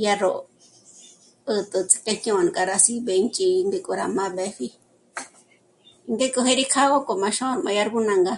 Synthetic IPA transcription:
ja˧ɾo˨ | ɨ˧t̪ʼɨ˧t͡sʰi̥˧ke˦˧ɲ̥ɲõ˧˨n˨kʼa˧ɾa˧si˦be˧˦nt͡ʃʼi˧nd̪i˧kʼo˧ɾa˧mã˦be˧˦ɸi˦ | i˧nd̪e˦kʼu˧ɦe˦ɾi˦kʰa˦ɣo˦ko˨mã˧ʃõ˦˨mã˧ja˧ɾɡu˦nã˧ŋɡa˧

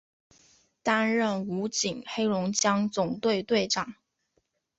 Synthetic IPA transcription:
t̪a˥nɻə˥˩nu˧˥t͡ɕi˨˩ŋxe˥ɪlʊ˧˥ŋt͡ɕjɑ˥ŋt͡sʊ˨˩ŋt̪we˥˧ɪt̪we˥˩ɪʈ͡ʂɑ˨˩˦ŋ

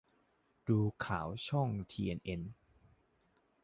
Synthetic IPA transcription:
duː˧kʰaː˩˦wt͡ɕʰɔ˥˩ŋt̪ʰiː˧ʔe˧nʔe˧n

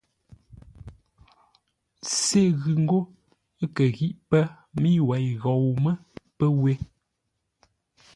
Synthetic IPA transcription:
se˦ɣʉ˨ŋ̩˦ɡo˦ | kə˨ɣi˦ʔpə˦ | mi˦wɛ˨jɣɔ˨wmə˦pə˦we˦

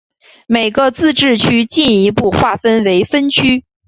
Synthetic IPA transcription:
me˨˩ɪɡə˧t͡sɹ̩˥˧ʈ͡ʂɻ̩˥˩t͡ɕʰy˥t͡ɕi˥˩ni˧˥pu˥˧xwa˥˩fə˥nwe˧˥ɪfə˥nt͡ɕʰy˥

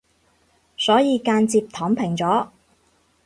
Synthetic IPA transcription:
sɔː˨˥jiː˨˧kaː˧nt͡siː˧p̚t̪ʰɔː˨˥ŋpʰɪ˨˩ŋt͡sɔː˨˥

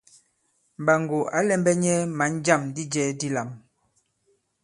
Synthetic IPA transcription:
m˨ba˨ŋɡo˨a˨˦lɛ˦mbɛ˦ɲɛ˦ma˨˦n˦d͡ʒa˦˨mdi˦d͡ʒɛ˦di˦la˨m

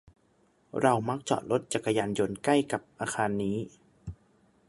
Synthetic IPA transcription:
ɾa˧wma˦˥k̚t͡ɕɔ̰ː˨˩t̪̚lo˦˥t̪̚t͡ɕa˨˩kːa˧jaː˧njo˧nkla˥˩jka˨˩p̚ʔaː˧xʰaː˧nːiː˦˥

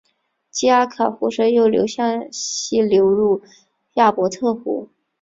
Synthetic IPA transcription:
t͡ɕi˥a˥kʰɤ˨˩xu˧˥ʂɤ˧˥jo˥˩ʊljo̰˧˥ʊɕjɑ˥˩ŋɕi˥˩ljo˧˥ʊɻu˥˩˧ | ja˥˩pwɔ˧˥t̪ʰɤ˥˩xṵ˧˥

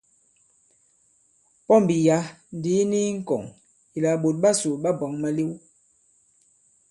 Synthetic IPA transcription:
pɔ˦mbi˨ja˨˦n̩˨˦di˦ni˦ŋ̩˦kɔ̰˨ŋ | i˨la˨ɓo˨t̚ɓa˦su˨ɓa˦bɔ˨˦ŋma˦li˦w

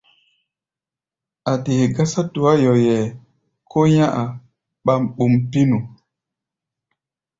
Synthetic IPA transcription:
a˨te˨he˨ɡa˦sa˦tu˨a˦jɔ˨jɛ˨ | kʰo˦jã˦ʔa˨ | ɓa˦mɓu˨mpi˦nu˨

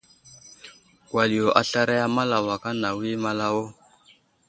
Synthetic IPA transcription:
wa˨li˨jo˨ʔa˨ɬa˦ɾa˦ja˦ma˦la˨wa˨ka˦na˨wi˦ma˦la˦wo˦

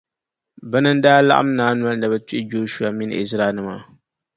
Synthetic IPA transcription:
bɛ˦nɨ˦n˦daː˦la˦ʔa̰˦m˦naː˦nwa˦lna˨bɛ˨˦ti˦ʔɪ˦d͡ʒoː˦ʃu˦a˨mi˦n̰˦˨ɪ̰˨zɾaː˦˨nɨ˦ma˨

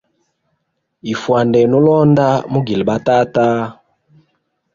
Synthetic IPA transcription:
i˨fwa˨ndɛ˨nu˦lɔ˦nda˦mu˦ɡi˨lɓa˦ta˦ta˦

